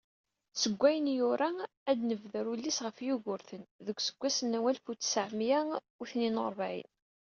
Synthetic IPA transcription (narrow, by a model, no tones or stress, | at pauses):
səɡʷːæjənjʊɾa | æd̪nəvðəɾulːisʁəfjuʝʊɾθənðəɡʷːsə̥ɡ̥ʷːæsənːæwælfut͡sːsʕmjæ | ʊθninoɾˤvʕḭn